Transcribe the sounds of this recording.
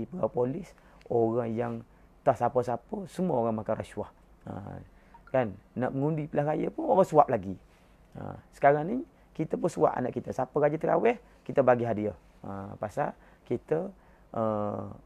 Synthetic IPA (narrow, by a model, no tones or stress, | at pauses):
ipəɡawpolɪs | oɣaŋjaŋ | t̪ahsapəsapəsəmuəoɣaŋmakanraʃwah | ə̰ | kanːaʔməŋundipəlahkajəpʊnawasuwap̚laɡi | ə̰sə̥kaɾani | kit̪əpʊnsua̰ʔa̰naʔkit̪əsapəɣad͡ʒat̪əka̰wɛh | kit̪əbaɡiɦadiə | əpasa̰ | kit̪ə | ʔə